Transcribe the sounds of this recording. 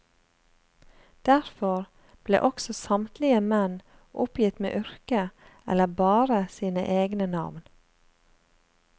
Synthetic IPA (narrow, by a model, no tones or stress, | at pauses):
d̪̥æɾfɔɾ | b̥lḛːʔɔksɔsɑmt̪lɪəmɛn | ʔʊpjɪt̪mḛːʔʏɾkəɛ̰ləbɑːɾəsiːnə̰ʔeːɡnənɑ̰ʋn